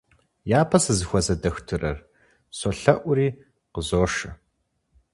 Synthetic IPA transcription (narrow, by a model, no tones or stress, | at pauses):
jaːpʰɐsɨzɨxʷɔzɐdɐxtʰɨrɐr | sɔɬɐʔʷʊriː | qəzoːʂɨ